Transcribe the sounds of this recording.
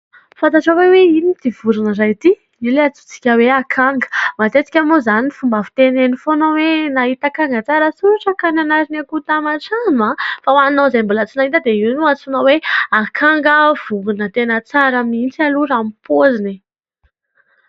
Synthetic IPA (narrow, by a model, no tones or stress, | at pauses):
fant̪aʈ͡ʂaweweinit̪iv̥uɾunəzajt̪i | ileat͡su̥t͡si̥kʲəweakʰaŋɡə̥mat̪et͡si̥kʲamozanifumbavi̥t̪enenifonowenaɦit̪akaŋɡət͡saɾəsuɾaʈ͡ʂakananaɾinakut̪amaʈ͡ʂanafawannozajmbulat͡sinait̪əd̪einuat͡sonaweakʰaŋɡəv̥uɡunət̪enət͡saɾəmint͡saluɾamipʰozine